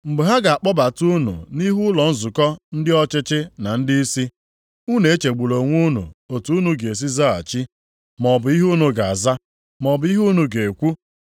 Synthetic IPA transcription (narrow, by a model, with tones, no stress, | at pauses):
ŋ͡m̩˨ɡ͡bʊ˨ɦa˦ɡa˨a˨k͡pɔ˦ba˨tu˦nṵ˨ni˦ɦu˦lɔ˨n̩˦zʊ˨kɔ˦n̩˦dɪ˦ɔ˦t͡ʃɪ˦t͡ʃɪ˦na˨n̩˦dɪ˦i˦si˦ | u˦ne˨e˦t͡ʃe˨ɡ͡bu˨lo˨ŋʷu˦nṵ˨o˨tu˨˦u˦nu˨ɡe˨e˨s̬i˦za˦a̰˨t͡ʃi˦ | mɔ˨bʊ˨i˦ɦu˦nu˨ɡa˨a˨za˦ | mɔ˨bʊ˨˦i˦ɦu˦nu˨ɡe˨kʷu˦